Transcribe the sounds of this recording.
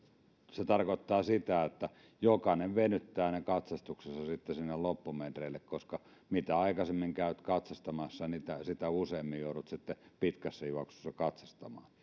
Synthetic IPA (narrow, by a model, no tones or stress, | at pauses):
set̪ɑrkot̪ːɑːsit̪æot̪ːæ | jokɑneʋʋenyt̪ːæːnekɑt̪sɑst̪uksesːɑsit̪ːesinːellopːument̪reˑilːekkoskɑ | mit̪æɑˑikɑsemːiŋkæˑyt̪kɑt̪sɑst̪ɑmɑsːɑnit̪æsit̪æuseːmːijjoˑuɾut̪sit̪ːepit̪kæsːæjuɑksu̥sːɑkɑt̪sɑst̪ɑmɑ̰ːn